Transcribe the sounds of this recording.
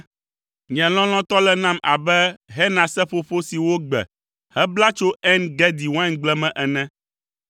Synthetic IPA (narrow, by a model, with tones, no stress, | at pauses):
ɲɛ̃˨l̃ɔ̃˦l̃ɔ̃˦t̪ɔ˦lɛ˦nã˦mʔa˨bɛ˦ɦɛ˦nã˨sɛ˦ɸo˦ɸo˦si˨wo˦ɡ͡bɛ̰˨ | hɛ˦bla˦t͡ʃo˦ɛ˦nɡɛ˦d̪i˨wã˦ŋɡ͡blɛ˦mɛ̃˨ʔɛ˨nɛ̃˦